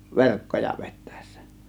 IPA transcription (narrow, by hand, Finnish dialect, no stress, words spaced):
ʋerkːojɑ ʋetːæ̥e̞ˑsːæ̥